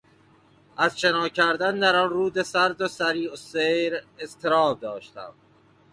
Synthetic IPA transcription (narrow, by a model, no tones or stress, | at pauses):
ʔæzt͡ʃe̞nɒːcʰæɾd̪ænd̪æɾɒnruːd̪esæɾd̪osæɾiːosejɾezt̪ʰeɾɒːb̚d̪ɒːʃt̪æ̰m